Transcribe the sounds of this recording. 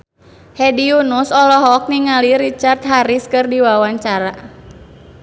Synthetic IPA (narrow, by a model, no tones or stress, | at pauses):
hɛdiunusɔlɔɦɔk̚niŋaliɾit͡ʃart̪̚ɦaɾiskɨrdiwawaɲt͡ʃaɾa